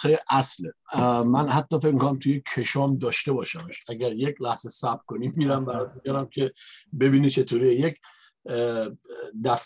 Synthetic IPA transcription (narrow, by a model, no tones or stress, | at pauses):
eʔæslemænhæt̪ʰːɒːfe̞cmikʰonæmt̪ʰuje̞kʰe̞ʃɒːmd̪ɒːʃt̪e̞bɒːʃæmeʃʔæɟæɾjecʰlæhz̥esæbkʰoniːmiːɾæmbæɾɒt̪ubijɒɾæmkʰe̞be̞biːnit͡ʃʰe̞t̪ʰoɾijejecʰ | d̪æf